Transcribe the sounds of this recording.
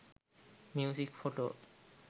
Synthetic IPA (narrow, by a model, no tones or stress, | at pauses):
mjusikfoʈo̰